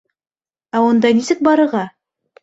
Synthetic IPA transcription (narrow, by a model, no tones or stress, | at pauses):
æwond̪ɑnisɘk̚bɑɾə̆ʁɑ